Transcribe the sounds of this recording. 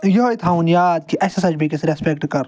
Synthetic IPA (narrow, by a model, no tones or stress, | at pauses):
joɦoit̪ʰaːunjaːd̪̚kiʔɐsɐsɐd͡ʒbikesɾespekʈkɐɾ